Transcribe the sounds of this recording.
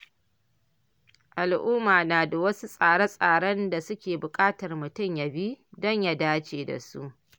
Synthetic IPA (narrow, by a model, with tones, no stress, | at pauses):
ʔa˨lʔuː˦maː˨naː˨da˨wɐ˦su˦sʼaː˨ɽɐ˦sʼaː˨ɽɐ˦nda˨sʊ˦kʲeː˨bʊ˨kʼaː˦tɐ˨rmʊ˨tʊ˦mja˦bi˦dɔ˦ɲja˦daː˦t͡ʃeː˨da̰˨sṵ˦ʔ